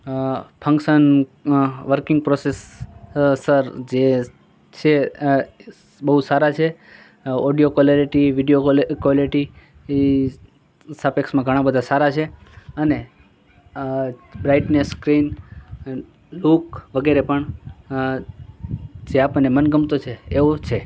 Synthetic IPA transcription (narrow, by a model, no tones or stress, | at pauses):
pʰə̃ŋkʃən | ʋəɾkɪŋɡ̚pɾoses | səɾd͡ʒe | t͡ʃʰe | bəɦusaɾat͡ʃʰe | oɖijokolliʈiʋiɖijokoliʈi | sapeksmãɡʱəɽ̃ãbəd̪ʱasaɾat͡ʃʰeəne | bɾaiʈneskɾin | lukʋəɡeɾepəɳ | d͡ʒeapəɳnːemənɡəmt̪ot͡ʃʰeːʋot͡ʃʰe